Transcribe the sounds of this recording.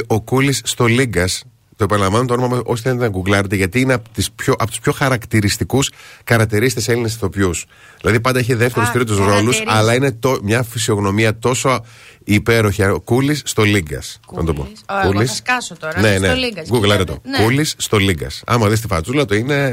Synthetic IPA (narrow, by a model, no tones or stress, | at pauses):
o̞kulisːt̪o̞liɡɐs | t̪o̞epɐnlɐɱvɐnt̪onomɐmɐosi̥θenet̪enɐɡuɡlɐɾet̪eʝɐt̪iinept̪ispçoʔɐpot̪u̥spço̞xɐɾɐkt̪iɾist̪ikuskɐɾɐkt̪iɾisi̥t̪eselinesθo̞pjus | ðilɐðipɐnd̪ɐeçiðe̞ft̪eɾust̪ɾit̪uzɾo̞lusɐlɐine̞t̪omɲɐfisio̞ɣno̞miɐt̪o̞so | ipe̞ɾo̞çikulisːt̪o̞liɡɐ̰sɐ̰t̪opokulisɐsot̪one̞neɡuɡlɐɾet̪o̰kulisːt̪o̞liŋɡɐ̰sɐ̰mɐðist̪ifɐt͡sulɐt̪oine̞